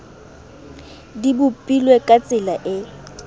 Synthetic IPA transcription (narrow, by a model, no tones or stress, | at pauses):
dibʊpʼilwekʼat͡sʼɪlaʔɪ